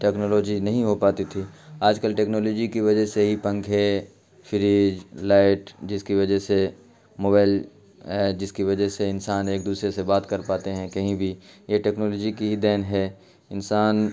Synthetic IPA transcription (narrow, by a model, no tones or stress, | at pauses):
ʈɛːknoːloːd͡ʒinɐɦĩɦopaːt̪it̪ʰiːaːd͡ʒkəlʈeːknoːloːd͡ʒikiʋɐd͡ʒəɦseɦipɐ̃ŋkʰe | fʰɪɾiːd͡ʒlaːɪʈd͡ʒɪskiʋɐd͡ʒəɦse | moːbaːɪl | ɦɛd͡ʒɪskiʋɐd͡ʒəɦseɪnsaːneːkd̪uːsɾesebaːt̪kɐɾpaːt̪eɦɛ̃kɐɦĩbʱijeʈeːknoːloːd͡ʒikiɦid̪ɛːnɦɛː | ɪnsaːn